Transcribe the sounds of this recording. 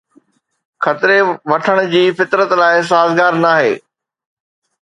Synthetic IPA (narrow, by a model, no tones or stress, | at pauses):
xɐt̪ɾeʋɐʈʰəɽ̃ʊd͡ʑiːfɪt̪ɾət̪laːɪs̬aːzɡaːɾnaːɦḛː